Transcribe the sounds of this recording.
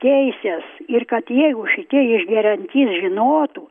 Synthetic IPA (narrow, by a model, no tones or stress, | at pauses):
t̪ʲɛɪsʲɛsɪrkɐt̪jɛɪɡʊʃʲɪt̪ʲiɪʒʲɡʲɛɾʲɛnʲt̪ʲiːsʒʲɪnoːt̪u